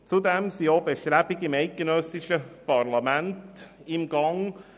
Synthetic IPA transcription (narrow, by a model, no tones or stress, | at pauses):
t͡sud̪ɛmsiobeʃtɾæb̥iɡɪmɛɪt̚ɡ̥enœsɪʃəpʰɑrlɑmænt | ɪmɡɑŋ